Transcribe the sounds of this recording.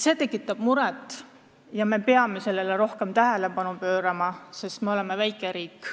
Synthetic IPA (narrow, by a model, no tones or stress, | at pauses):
se̞ːt̪e̞kːˑit̪ːˑɑb̥muɾɛt̪ːˑ | jɑme̞peɑme̞se̞lːeleɾo̞hke̞mt̪æɦæle̞pɑnupø̞ːɾɑmɑse̞st̪me̞o̞lɛmevæjkːˑeɾiːkːˑ